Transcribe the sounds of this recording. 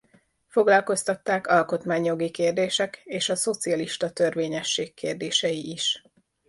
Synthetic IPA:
fo̞ɡlɒlko̞st̪ɒt̪ːaːkɒlko̞t̪maːɲjo̞ɡikeːrd̪eːʃɛkeːʃɒso̞t̪siɒliʃt̪ɒt̪ørʋeːɲɛʃːeːkʰːeːrd̪eːʃɛjiʔiʃ

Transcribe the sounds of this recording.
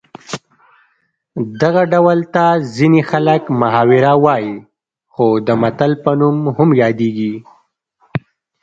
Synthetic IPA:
d̪aɣaɖawəlt̪azinixaləkmʊɦɑwɪɾawɑji | xod̪əmat̪əlpənumhʊmjɑd̪eɡi

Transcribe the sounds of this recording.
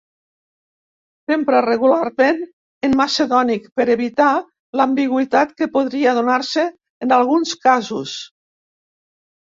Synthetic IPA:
sempɾareɣulaɾmen | enmaseðɔnikpeɾeβit̪a | lambiɣwit̪at̪kepoðɾiaðunaɾseː | nalˠɣunskazus

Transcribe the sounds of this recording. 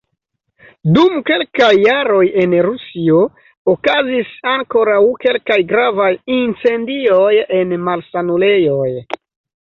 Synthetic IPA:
dumke̞lkajːaɾo̞je̞nɾusio̞ | okazisaŋko̞ɾawke̞lkajɡɾavajint͡se̞ndioje̞nmalsanule̞jo̞j

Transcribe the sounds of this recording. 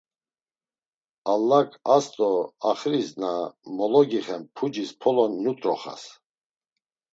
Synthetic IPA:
alːakʰʼast̪ʼɔaχɾisnamɔlɔɡiχɛmpʰud͡ʒispʰɔlɔnːut̪ʼɾɔχa̰s

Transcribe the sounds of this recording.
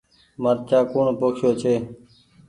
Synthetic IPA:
məɾ̚t͡ʃaːkuːɳpoːkʃjoːt͡ʃʰeː

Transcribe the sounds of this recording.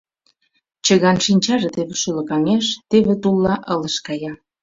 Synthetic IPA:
t͡ɕə̆ɣɑnʃinʲt͡ɕɑʒĕt̪eβeʃylɤ̆kɑŋeʃt̪eβĕt̪ulːɑʔələʃkɑjɑ

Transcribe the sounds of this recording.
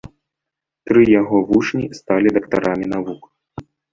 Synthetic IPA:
t̪ɾɨjaɣɔvut͡ʂnʲist̪alʲid̪ɐkt̪aɾʔamʲin̪avuk

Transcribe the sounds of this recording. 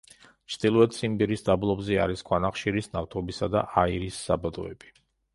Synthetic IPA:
t͡ʃʰd̪̥ilˠɔɛt̪ʰsʰʼimbiɾisd̪ablˠɔbzɛa̰ɾiskʰwanaχʃiɾisnaft̪ʰɔbisad̪a̰ʔaiɾisːabad̪ɔɛb̥i̥

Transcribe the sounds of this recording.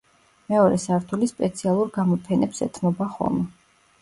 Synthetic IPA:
mɛɔɾɛsaɾt̪ʰulispʼɛt̪sʰialˠuɾɡamɔpʰɛnɛpsɛt̪ʰmɔbaχɔ̰lˠmɛ

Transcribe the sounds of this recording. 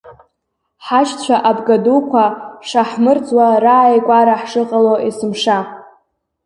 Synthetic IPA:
ħat͡ʃt͡ɕʷʰaʔabɡadukʷʰaʂaħmɨrt͡sʼwaraːjkʷʼaɾaħʂɨqʼaloʔisɨmʂa

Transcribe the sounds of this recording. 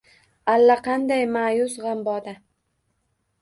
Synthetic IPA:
alːaqʰɑnd̪ajmajʊsʁɑmbɒd̪a

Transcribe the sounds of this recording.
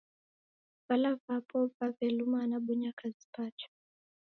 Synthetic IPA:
valavapʰɔvavɛlumaːnaɓɔɲakʰazi̥pat͡ʃɔ̥

